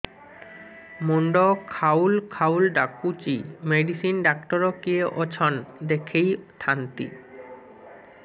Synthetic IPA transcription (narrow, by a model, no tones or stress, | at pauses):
moɳɖɔkʰawlkʰaulɖakːut͡ɕimeɖisinɖakʈɔɾɔkieʔɔt͡ɕʰɔnd̪ekʰejt̪ʰant̪ḭ